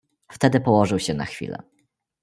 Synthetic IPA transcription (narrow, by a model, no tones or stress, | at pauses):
ft̪ɛd̪ɘpɔwɔʐɘwɕɛna̰xfʲḭlɛ̰